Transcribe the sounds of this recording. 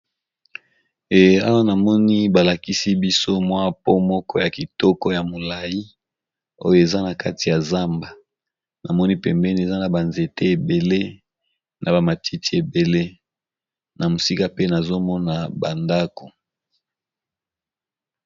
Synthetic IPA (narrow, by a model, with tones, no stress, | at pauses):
e˨a˦wa˦na˨mɔ˦ni˦ba˨la˨ki˦si˦bi˦so˦mwa˦po˦mɔ˦kɔ˦ja˨ki˨tɔ˦kɔ˦ja˨mo˨la˨ji˦ | o˦jo˦e˨za˦na˨ka˦ti˨ja˨za˦mba˨ | na˨mɔ˦ni˦pɛ˨mbɛ˦n˨e˨za˦na˨ba˨nze˨te˦e˨be˨le˦ | na˨ba˨ma˨ti˦ti˦e˨be˨le˦ | na˨mo˨si˦ka˦pe˦na˨zo˦mɔ˦na˨ba˨nda˦ko˨